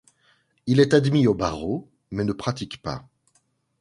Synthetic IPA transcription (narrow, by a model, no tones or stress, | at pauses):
ilɛt̪ad̪mioba̰ʁo | mɛnəpχat̪ikpa̰